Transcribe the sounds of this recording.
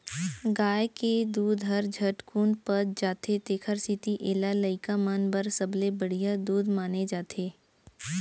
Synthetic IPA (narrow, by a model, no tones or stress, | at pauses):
ɡaːjked̪uːd̪ʱɦəɾd͡ʒʱəʈkuːnpəɾd͡ʒaːt̪ʰet̪eːkʰəɾsit̪iʔeːlaləɪkamənbəɾsəblebəɽ̤ijad̪uːd̪maːned͡ʒaːt̪ʰeː